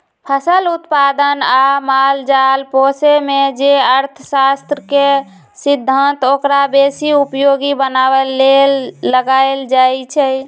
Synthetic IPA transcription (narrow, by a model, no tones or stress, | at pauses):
pʰəsəlut̪pad̪ənamald͡ʒalposemed͡ʒeəɾt̪ʰəsast̪ɾəke | sid̪ʱːənt̪okɾabesiupjoɡibənabəlelːəɡaeld͡ʒajt͡ʃʰɛ